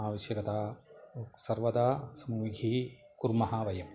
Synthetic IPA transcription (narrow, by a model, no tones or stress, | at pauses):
aːʋɐʃjɐkɐt̪aːosɐɾʋɐd̪aːsɐmuːɡʱi | kuɾmɐɦɐʋɐjɐm